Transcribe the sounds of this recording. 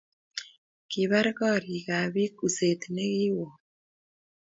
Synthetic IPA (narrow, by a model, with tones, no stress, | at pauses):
ki˨βa˦ɾɣɔ˦˨ɾi˨ɣa˨βi˦ku˨se˨t̪ne˦ɣi˦wɔ˨